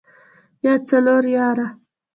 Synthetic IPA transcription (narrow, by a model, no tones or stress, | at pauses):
jat͡sanoɾjaːɾa